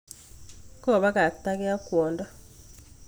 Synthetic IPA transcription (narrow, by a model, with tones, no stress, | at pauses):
kɔ˦˨βa˦ka˨kta˦kɛ˦a˦kwɔ˨nda˦